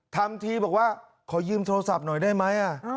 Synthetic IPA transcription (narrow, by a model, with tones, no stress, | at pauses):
t̪ʰa˧mt̪ʰiː˧bɔː˨˩k̚waː˥˩ | kʰɔː˩˦jɯː˧mt̪ʰoː˧sa˨˩p̚nɔ˨˩jdaː˥˩jma˦˥jʔa˨˩